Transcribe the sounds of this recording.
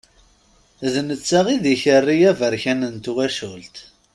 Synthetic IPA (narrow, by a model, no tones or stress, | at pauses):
ðnət͡sːaʁiðiçərːijævəɾçænənt̪uwæʃult̪